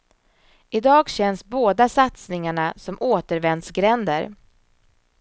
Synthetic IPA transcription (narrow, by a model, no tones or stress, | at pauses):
ʔɪd̪ɑːɡɕɛnsboːd̪asat̪snɪŋaɳasɔmʔoːt̪əɾvɛnd̪sɡɾɛnd̪ə̰ɾ